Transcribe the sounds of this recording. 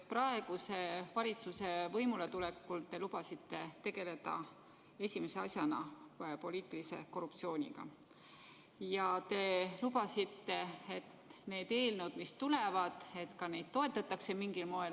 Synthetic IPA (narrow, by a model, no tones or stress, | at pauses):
prɑe̞ɡ̥use̞vɑlʲit̪suse̞vɤ̞jmulet̪ulekːult̪e̞lub̥ɑsit̪ˑːe̞t̪e̞ɡe̞le̞d̪̥ɑ̰ | e̞sʲime̞se̞ɑsjɑnɑ̰po̞lʲiːt̪ˑilise̞̰ko̞rup̚tsio̞ːnʲḭɡ̥ɑ̰ | jɑt̪e̞lubɑsit̪ːe̞et̪ne̞ːd̪̥e̞ːlnud̪mist̪ule̞vɑd̪̥e̞t̪kɑne̞jd̪̥̚t̪o̞e̞t̪ːˑɑt̪ːˑɑkse̞miŋɡilmo̞e